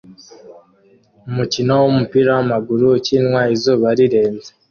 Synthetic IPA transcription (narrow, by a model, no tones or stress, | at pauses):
umucinowomupiɾawamaɡuɾucinwaizoβaɾiɾe̞ːnze